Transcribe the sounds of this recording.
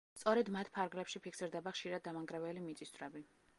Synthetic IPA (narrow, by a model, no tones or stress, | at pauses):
t̪sʼɔɾɛd̪mat̪ʰpʰaɾɡlɛpʃipʰikʰsiɾd̪ɛbaχʃiɾad̪̚ːamaŋɡɾɛvɛlimit̪sʼist̪vɾɛbi